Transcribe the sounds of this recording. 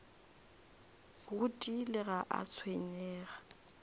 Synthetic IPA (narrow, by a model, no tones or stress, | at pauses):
ɣʊtʼilɪɣaʔa̰t͡sʰweɲɛːɣa